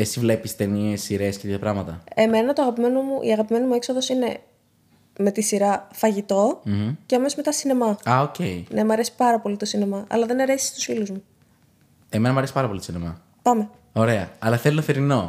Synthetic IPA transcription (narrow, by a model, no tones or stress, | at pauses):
esivle̞pist̪e̞niesiɾe̞scet̪it̪ɐpɾɐɣmɐt̪ɐe̞me̞nɐt̪oɐɣɐpime̞nomuʔḭɐɣɐpime̞nimue̞kso̞ðo̞sine̞ | me̞t̪isiɾɐfɐʝit̪o̞m̩h̩ceɐmesozme̞t̪ɐsine̞mɐɐoceine̞mɐɾe̞si̥pɐɾɐpo̞lit̪o̞sine̞mɐʔɐ̰lɐðe̞nɐɾe̞si̥st̪u̥sfiluzmu | eme̞nɐmɐɾesi̥pɐɾɐpo̞lit̪osinemɐ̰ | pɐme̞ | o̞ɾe̞ɐɐlɐθelinɐθeɾino̞